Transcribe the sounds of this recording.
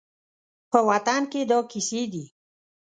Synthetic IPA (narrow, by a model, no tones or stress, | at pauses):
pəwat̪anked̪ɔkised̪i